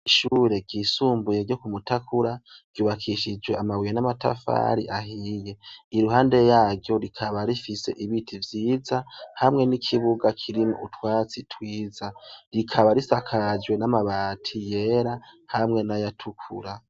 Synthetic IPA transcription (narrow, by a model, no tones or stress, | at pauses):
iʃuːɾe̞ɡɟiːsuːmbuje̞ɾɟo̞kumutakuɾaɡ̥juːβakʰiʃid͡ʒwe̞amawijenamata̰fa̰ɾiʔahije̞iɾuhaːnde̞jaːɾjo̞ɾikʰaβaɾifise̞̰ʔiβitʰivjiːzahamŋe̞nikʰiβuɡakʰiɾimoṵtwaːt͡sitʰwiːzaɾikʰaβaɾisakʰad͡ʒwe̞namaβaːtʰije̞ɾahamŋe̞najatʰukʰṵɾa